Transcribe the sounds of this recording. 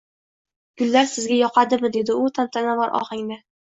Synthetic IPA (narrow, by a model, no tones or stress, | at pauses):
ɡ̥ʊlːaɾsɪzɡʲajɒqʰɑd̪ɪmɪd̪e̞d̪ɪʊt̪ʰamt̪ʰanavɒɾʔɒ̰χɪŋnɪ